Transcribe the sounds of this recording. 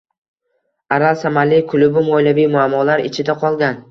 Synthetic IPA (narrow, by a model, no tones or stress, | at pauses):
aɾalsamalːɪkʰʊlˠʊbɪmɒjlavijmʊamːɒlaɾɪ̰t͡ʃʰɪd̪aqʰɒlˠɡʲan